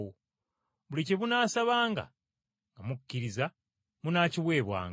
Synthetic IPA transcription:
o | βuliceβunaːsaβaːŋɡa̰ | ŋɡamucːiɾiza | munaːciβwe̞ːβwa̰ːŋ

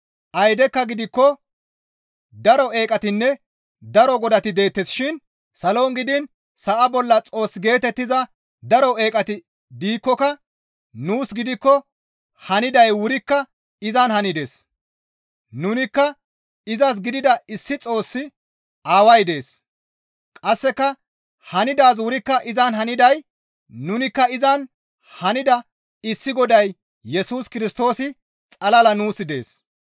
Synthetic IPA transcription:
ʔɐjd̪ɛkːɐɡɪd̪ɪkːɔ | d̪ɐɾɔʔe̞ːkʼɐt̪ɪnːɛ | d̪ɐɾɔɡɔd̪ɐt̪ɪd̪e̞ːt̪ːɛsʃɪn | sɐloːŋɡɪd̪ɪn | sɐʔɐbɔlːɐt͡sʼo̞ːsːɡe̞ːt̪ɛt̪ːɪzɐ | d̪ɐɾɔe̞ːkʼɐt̪ɪ | d̪iːkːɔkɐ | nuːsɡɪd̪ɪkːɔ | hɐnɪd̪ɐjwʊɾɪkːɐ | ɪzɐnhɐnɪd̪e̞s | nʊnɪkːɐ | ɪzɐs̬ɡɪd̪ɪd̪ɐɪsːɪt͡sʼo̞ːsːɪ | aːwɐjd̪e̞ːs | kʼɐsːɛkːɐ | hɐnɪd̪aːs̬wʊɾɪkːɐʔɪzɐnhɐnɪd̪ɐj | nʊnɪkːɐɪzɐn | hɐnɪd̪ɐ | ɪsːɪɡɔd̪ɐj | jɛsuːskɪɾɪst̪o̞ːsɪ | t͡sʼɐlɐlɐnuːsɪd̪e̞̰ːs

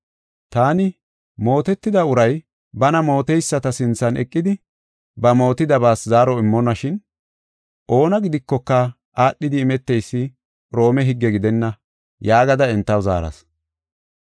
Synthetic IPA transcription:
t̪aːnɪ | mo̞ːt̪ɛt̪ːɪd̪ɐʊɾɐj | bɐnɐmo̞ːt̪ɛjsːɐt̪ɐsɪnt͡sːɐnɛ̰kʼːɪd̪ɪ | bɐmo̞ːt̪ɪd̪ɐbaːszaːɾɔɪmːɔnːɐʃɪn | ʔo̞ːnɐɡɪd̪ɪkːɔkːɐ | ʔaːɗːɪd̪ɪːmɛt̪ːɛjsːɪ | ɾo̞ːmɛɦɪɡːɛɡɪd̪ɛnːɐ | jaːɡɐd̪ɐɛnt̪ːɐwza̰ːɾɐ̰s

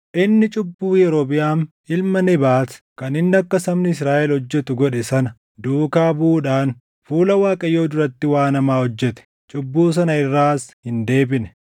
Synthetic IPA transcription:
ʔɪnːɪt͡ʃʼʊbːuːjɛɾoːbɪjaːn | ɪlmɐnɛbaːskɐnɪnːɪɐkːɐsɐmnɪɪs̬ɾaːʔɛlhɔd͡ʒːɛt̪ʊɡɔᶑɛsɐnɐ | d̪uːkaːbuːᶑaːn | fuːlɐwaːkʼɐjːo̞ːd̪ʊɾɐt̪ːɪwaːnɐmaːhɔd͡ʒːɛt̪ɛ̥ | t͡ʃʼʊbːuːs̬ɐnɐɪrːaːshɪnd̪e̞ːbɪnɛ

